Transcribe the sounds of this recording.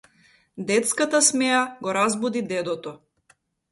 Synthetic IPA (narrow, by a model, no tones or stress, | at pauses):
d̪ɛt̪skat̪asmɛaɡɔɾazbud̪id̪ɛd̪ɔt̪ɔ